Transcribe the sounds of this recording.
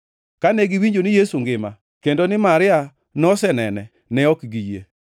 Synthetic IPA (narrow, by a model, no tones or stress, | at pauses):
kanɛɡiwiɲd͡ʒonɪjesuŋɡɪma | kendonɪmaɾɪa | nɔsɛnɛnɛ | nɛɔkɡijḛ